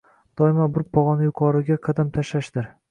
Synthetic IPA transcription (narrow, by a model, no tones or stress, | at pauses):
d̪̥ɒɪmabʊɾpʰɒʁɒnjʊqʰɒɾɪɡʲaqʰɑd̪amt̪ʰaʃaʃd̪̥ɪɾ